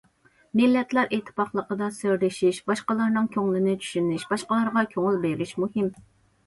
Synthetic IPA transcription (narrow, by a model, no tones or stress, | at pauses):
mɪlːɛt̪læɾʔet̪ʰːɨ̥pɑχlˠəqəd̪ɑsɪɾlɪʃiʃbɑʃqəlˠɑɾnɨŋkʲʰøŋlˠɪnɪt͡ʃʰy̥ʃynɪʃbɑʃqəlˠɑɾʁɑkʲʰøŋʊlˠbeɾɪʃmuhɪm